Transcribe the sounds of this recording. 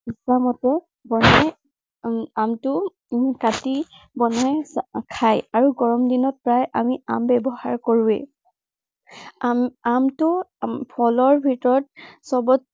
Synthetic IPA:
islamɔtɔ | bɔnɔj | amtʊ | kati | bɔnɔjkʰajaɹuɡɔɹɔmdinɔt̚pɹajʔamiambɛbɔhaɹkoɹuɛ̰ | amtʊpʰɔlɔɹbʱitɔɹɔt̚sɔbɔt̚

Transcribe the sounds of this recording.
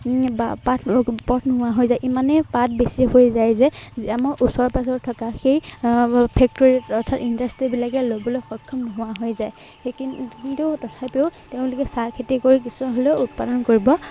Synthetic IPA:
bapatʰpɔtʰnɔɦʊwaɦojzajʔimanɛpat̚ʰbesiɦojzajzɛamɔɹʔusɔɹpas̬ɔtʰːɔkaxej | pʰɛk̚toɹitɔtʰatindastɹibilakɛlobɔlojxɔjkʰːɔmnɔɦʊwaɦojzaj | kintutɔtʰapeʊteʊ̃lʊkɛsaɹkʰitikoɹikisuaɦoleut̚padɔnkoɹibɔ

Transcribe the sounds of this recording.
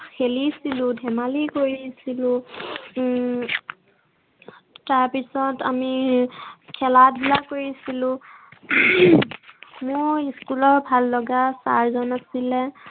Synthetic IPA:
xelisilʊ̃dʱɛmalikoɹisilʊ̃ | taɹpisɔtami | kʰɛladʱilakoɹisilʊ̃ | mʊjiskulɔɹbʱalːɔɡasa̰ɹzɔnasilɛ

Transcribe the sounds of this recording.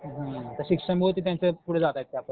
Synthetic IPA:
ɦə̃t̪əɾɕikʂəmiɦot̪iːt̪̬jãnt͡sepuɽ̤ed͡zat̪ajit̪̚kjapə

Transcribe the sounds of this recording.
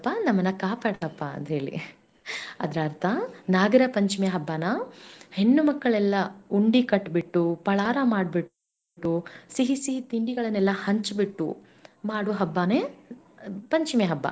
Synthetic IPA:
pːɐnɐmːɐnːɐkaːpaːɽɐpːɐɐ̰nd̪ɦe̞ːɭḭ | ɐd̪ɾaːɾt̪ʰɐnaːɡɐɾɐpɐɲt͡ʃimeɦɐbːaːnɐhe̞nːumɐkːɐɭɛlːɐuɳɖikɐʈːbiʈːupɐɭaːɾɐmaːɽ̚biʈ | ʈːusiɦisit̪iɳɖiɡɐɭɐnːɛlːɐhɐɲt͡ʃbiʈːṵ | maːɽuɦɐbːaːne | pɐɲt͡ʃimeɦɐbːɐ̰

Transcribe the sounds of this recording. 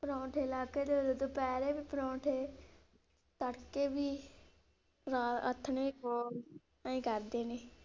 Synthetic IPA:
pɾɔ̃ːʈʰeːɪlaːkeːd̪eːd̪od̪oːpɛːɾeːbiːpɾɔ̃ːʈʰeː | t̪əɽkeːbiː | ɾaːə̰t̪ʰːneːboː | aĩːkəɾd̪eːneː

